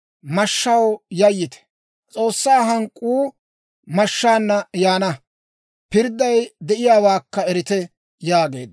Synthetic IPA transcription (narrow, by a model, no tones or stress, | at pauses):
mɐʃːɐwjɐjːɪt̪ɛ̥ | t͡sʼo̞ːsːaːɦɐŋkʼːuː | mɐʃːaːnːɐjaːnɐ | pɪɾd̪ːɐjd̪ɛʔɪjaːwaːkːɐɛɾɪt̪ɛ | jaːɡe̞̰ːd̪